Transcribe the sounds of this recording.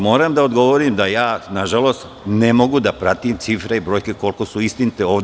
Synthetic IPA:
mo̞ːɾamd̪aod̪ɡo̞ʋo̞ɾimd̪ajaːnaʒalo̞st̪ | ne̞mo̞ɡud̪apɾat̪imt̪sifɾeibɾo̞ːjke̞ko̞lko̞suist̪init̪eo̞ːʋd̪

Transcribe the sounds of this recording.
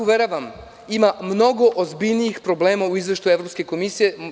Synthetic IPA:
uʋeɾaʋam | imamno̞ɡo̞ʔozbiʎniixpɾo̞ble̞ːmauizʋeʃt̪ujeʋɾopske̞ko̞misije̞

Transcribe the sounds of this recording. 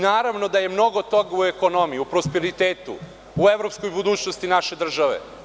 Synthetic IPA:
naːɾaʋnod̪aje̞mno̞ɡo̞t̪o̞ɡueko̞no̞miiupɾo̞spe̞ɾit̪eːt̪ṵ | ueʋɾo̞pskojbud̪uːt͡ɕnost̪inaʃe̞d̪r̩ʒaʋḛ

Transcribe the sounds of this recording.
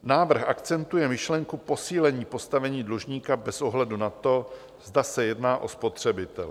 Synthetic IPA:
naːvr̩xʔaktt͡sɛnt̪ujɛmɪʃlɛŋkupo̞siːlɛɲiːpo̞st̪avɛɲiːdluʒɲiːkabɛsʔo̞ɦlɛdunat̪o̞ | zdasɛjɛdnaːʔo̞spo̞t̪r̝̥ɛbɪt̪ɛl

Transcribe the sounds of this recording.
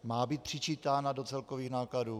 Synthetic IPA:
maːbiːt̪̚pr̝̥ɪt͡ʃiːt̪aːnado̞t͡sɛlkoviːɣnaːkladuː

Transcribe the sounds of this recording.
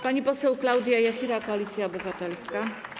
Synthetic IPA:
paɲipɔsɛwklawd̪ʲjaijaxʲiɾakɔalʲit̪sʲjaɔbɘvat̪ɛlska

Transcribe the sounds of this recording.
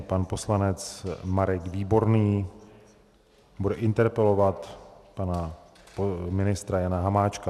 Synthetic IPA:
panpo̞slanɛt͡smaɾɛkviːbo̞ɾniː | budɛʔɪnt̪ɛɾpɛlo̞vat̪pana | pomɪnɪst̪ɾajanaɦamaːt͡ʃka

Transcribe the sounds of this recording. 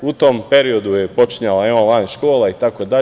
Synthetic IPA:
ut̪ompe̞ɾio̞d̪ujepo̞t͡ʃiɲalaeonlanʃko̞ːlˠait̪akod̪a

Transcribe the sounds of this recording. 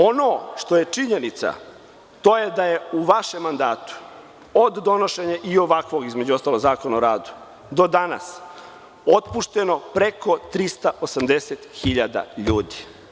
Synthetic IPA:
o̞noʃt̪o̞je̞t͡ʂiɲe̞nit̪sa̰ | t̪o̞ːjed̪aje̞uʋaʃe̞mːand̪aːt̪u̥ | od̪ːo̞no̞ʃe̞ɲaʔio̞ʋakʋo̞ɡizme̞d͡ʑuost̪alo̞ɡzaːko̞naoɾaːd̪u̥ | d̪o̞d̪ana̰s | o̞t̪puʃt̪e̞no̞pɾeko̞t̪ɾist̪aʔosamd̪e̞set̪xiʎad̪a̰ʎuːd̪i̥

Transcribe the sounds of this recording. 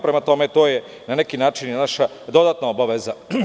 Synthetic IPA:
pɾemat̪o̞met̪oːje | nanekinaːt͡ʃinnaʃa | d̪o̞d̪at̪naobaʋeza

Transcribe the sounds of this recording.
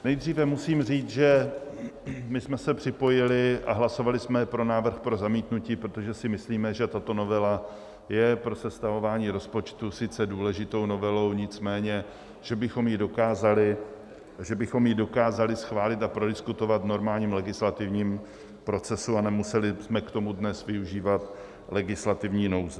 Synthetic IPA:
nɛjd̪riːvɛmusiːmriːt͡sʒɛ | mɪsmɛsɛpr̝̥ɪpo̞jɪlɪʔa̰ɦlaso̞valɪsmɛpɾo̞naːvr̩xpɾo̞zamiːt̪nuciːpɾot̪o̞ʒɛsɪmɪsliːmɛʒɛt̪at̪o̞no̞vɛla | jɛpɾo̞sɛst̪avo̞vaːɲiːɾo̞spo̞t͡ʃt̪usɪt͡sɛduːlɛʒɪt̪o̞wno̞vɛlo̞wɲɪt͡smɛːɲɛ | ʒ̥ɛbɪxo̞mjɪdo̞kaːzalɪ | ʒɛbɪxo̞mjɪdo̞kaːzalɪsxvaːlɪt̪apɾo̞dɪskut̪o̞vat̪no̞ɾmaːlɲiːmlɛɡɪslat̪ɪvɲiːm | pɾo̞t͡sɛsuanɛmusɛlɪsmɛkt̪o̞mudnɛsvɪuʒiːvat̪ | lɛɡɪslat̪ɪvɲiːno̞wzɛ

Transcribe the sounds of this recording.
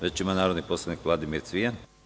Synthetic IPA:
ɾet͡ʃimanaːɾo̞d̪nipo̞slˠaʋnikʋlˠad̪imiɾt̪sʋijan

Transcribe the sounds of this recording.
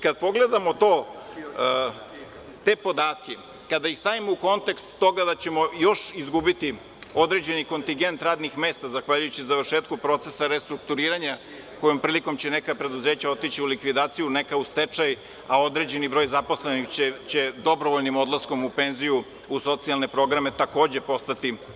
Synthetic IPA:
kad̪̚po̞ɡle̞d̪amot̪o̞ː | t̪e̞po̞d̪aːt̪ke | kad̪aist̪aʋimouko̞nt̪ekst̪ːo̞ɡad̪at͡ɕe̞mo̞jo̞ʃizɡubit̪i | o̞d̪ɾe̞ːd͡ʑe̞niko̞nt̪iŋɡe̞nt̪ɾaːd̪nixme̞ːst̪azaxʋaʎujut͡ɕizaʋəɾʃeːt̪̚kupɾo̞t̪se̞saɾest̪ɾuk̚t̪uɾiːɾaɲa | ko̞jompɾiːliko̞mt͡ɕenekapɾe̞d̪uze̞ːt͡ɕao̞t̪it͡ɕiulikʋid̪aːt̪sijunekaust̪et͡ʂaj | aod̪ɾe̞ːd͡ʑe̞nibɾo̞jzaposlenixe̞d̪o̞bɾoʋoʎnimo̞d̪lˠasko̞mupe̞nziju | uso̞t̪sialne̞pɾo̞ɡɾame̞t̪ako̞ːd͡ʑe̞po̞st̪at̪i

